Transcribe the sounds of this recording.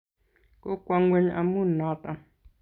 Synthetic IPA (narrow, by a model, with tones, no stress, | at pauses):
ko˦kʷa˦ŋɡʷe˦ɲʔa̰˧mu˦nã˨˦t̪a˨